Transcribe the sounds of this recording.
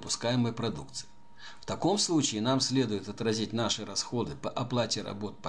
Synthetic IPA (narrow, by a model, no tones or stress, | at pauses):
pʊskajɪmɨjpɾɐd̪uk̚t̪sɨ̥ | ft̪ɐko̞mslˠut͡ɕɪːnamsʲlʲed̪ʊjʊt̪ɐt̪ɾɐzʲitʲn̪aʂɨɾɐsxod̪ɨpɐʔɐplˠatʲɪɾɐ̰bot̪̚pɐ